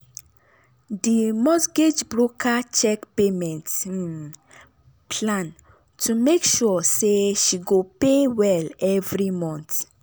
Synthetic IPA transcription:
dimɔsɡed͡ʒbɹokʰat͡ʃɛkpemɛ̃nt | pʰlãn | tʰumekʃuseʃiɡopewɛlɛvɹimɔ̃nt

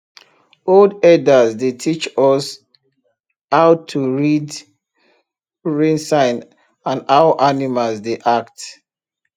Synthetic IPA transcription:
oldɛdazdetʰit͡ʃɔs | aʊtʰuɹid | ɹẽnsãɪ̃n | ãnaʊʔanimazdeʔakt

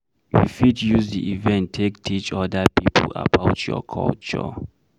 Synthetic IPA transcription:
wifitjuzdiʔivɛ̃ntʰːektʰit͡ʃɔdəpipʰla̰baʊtʰjɔ̰kʰɔ̰lt͡ʃɔ̰

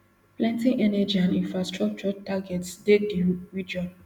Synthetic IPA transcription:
plɛ̃ntĩŋʔɛnɛd͡ʒiãnĩnfɹastɹɔk̚t͡ʃɔtaɡɛtsdedjuɹid͡ʒɔ̃n

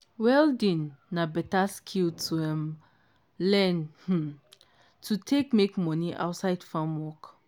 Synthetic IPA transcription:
wɛldĩnːabɛtaskʰiltʰuɛ̃m | lɛnh̩ | tʰutʰekmekmɔniʔa̰ʊtsaɪd̥fɹãmwɔk

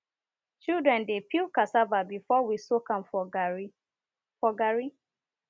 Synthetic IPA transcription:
t͡ʃildɹɛ̃ndepilkasavabifɔwisokãmf | fɔɡaɹi

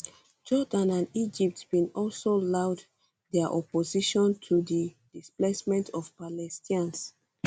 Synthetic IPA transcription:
d͡ʒɔdãnãndid͡ʒip̚tb̥ĩnɔlsolaʊd | dɛaʔɔpoziʃɔ̃ntʰudi | d̥isplesmɛ̃ntʰɔfpalɛstʰĩãns

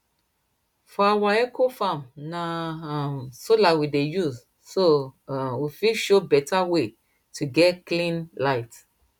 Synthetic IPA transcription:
fɔawaɛkʰofãmnamsolawidejuz | sowifiʃobɛtawe | tʰuɡɛtklĩnlaɪt

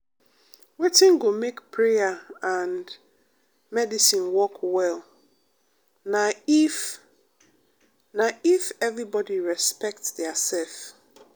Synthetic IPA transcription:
wetĩnɡomekpʰɹejaãnd | mɛdisĩnwɔkʰwɛl | naif | naifɛvɹibɔdiɹɛspɛk̚tsðɛasɛlf

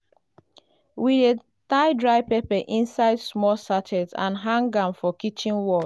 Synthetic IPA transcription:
wide | taɪdɹaɪpepɛʔĩnsaɪdsmɔsatʰɛzã̰nɦãŋɡãmfɔkit͡ʃĩnwɔ

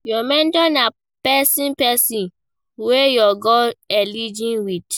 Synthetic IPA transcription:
jɔmɛ̃ndɔ̃na | pɛsĩnpɛsĩn | wejɔɡɔɛlid͡ʒĩnwid

